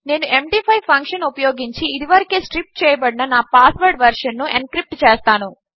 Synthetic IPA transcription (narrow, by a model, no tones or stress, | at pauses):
neːnuʔe̞mɖiːpʰɐjpʰɐŋkʂɐnupɐjo̞ːɡiɲt͡ʃiːd̪iʋɐɾikeːsʈɾip̚ʈ̚t͡ʃɛːjɐbɐɽinɐnaːpaːsʋɐɾɖʋɐɾʂɐnːuʔenkɾip̚ʈt͡ʃeːst̪aːnu